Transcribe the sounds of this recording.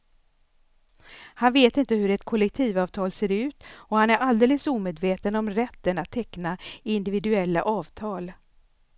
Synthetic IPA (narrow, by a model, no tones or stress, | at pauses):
hanveːt̪ɪnt̪əɦɵɾɛt̪kʰɔlɛk̚t̪ʰiːvɑːvt̪ʰɑːlseːɾʉ̟ːt̪ɔhanæɾald̪eːləsuːmeːd̪veːt̪ənɔmɾɛt̪ːənat̪ʰːɛknaɪnd̪ɪvɪd̪ɵɛlːa̰ʔɑːvt̪ʰɑːl